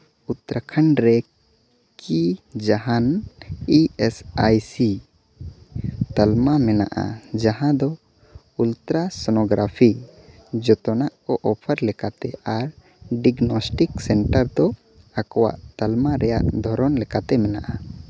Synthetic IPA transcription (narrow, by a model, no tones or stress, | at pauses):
ut̪ɾakʰəɳɾɛ | kid͡ʒaɦaniɛsajsi | t̪almamɛna̰ʔa̰d͡ʒaɦãd̪ɔ | ult̪ɾasɔnɔɡɾapʰid͡ʒɔt̪ɔnaʔkɔʔɔpʰəɾlɛkat̪ɛaɾ | ɖiɡnɔsʈiksɛɳʈəɾd̪ɔ | akɔwa̰ʔt̪əlmaɾɛja̰ʔd̪ʱɔɾɔnlɛkat̪ɛmɛnaʔa